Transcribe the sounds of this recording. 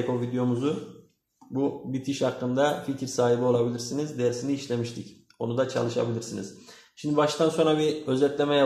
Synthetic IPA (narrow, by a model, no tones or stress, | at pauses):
kovid̪ejo̞muzu | bubit̪ʰiʃakːɯnd̪aficʰiɾsaːɦibio̞lˠabilʲiɾsinizd̪ejɾsiniːʃlʲe̞miʃt̪ʰic | o̞nud̪at͡ʃʰa̰lˠɯʃa̰bilʲiɾsiniz̥ | ʃimd̪ibaʃt̪ʰanso̞nɾabiø̞zɛt̪lʲe̞mɛja